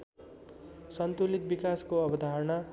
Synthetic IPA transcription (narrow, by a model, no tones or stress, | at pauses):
sʌnt̪ulit̪̚bikaskoʌbʌd̪ʱaɾʌnʌ